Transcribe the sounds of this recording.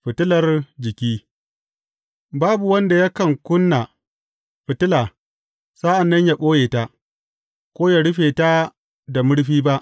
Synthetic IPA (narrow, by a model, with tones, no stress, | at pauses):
ɸɪ˨tɪ˦lɐ˨rd͡ʒɪ˨kʲiː˦ | baː˦bu˨wɐ˦nda˨ja˦kɐ˨ŋkʷʊ˦nːa˨ | ɸɪ˨tɪ˦laː˨ | sa˦ʔa˨nːɐ˦ɲja˨ɓʼoː˦jeː˨ta˦ʔ | kʷoː˦ja˨ɽʊ˦ɸeː˨ta˦ | da˨mʊ˦ɽɸiː˦ba˦ʔ